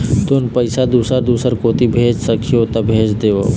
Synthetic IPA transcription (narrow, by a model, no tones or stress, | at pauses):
t̪onpəɪsad̪uːsəɾd̪uːsəɾkoːt̪ibʱeːd͡ʒsəkʰijot̪ɐbʱeːd͡ʒd̪eːʋo